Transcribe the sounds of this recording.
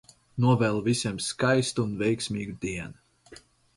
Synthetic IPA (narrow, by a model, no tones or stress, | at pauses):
nuɔvɛːlˠvisʲiɛmskajst̪uunvɛjksʲmʲiːɡɨd̪iɛn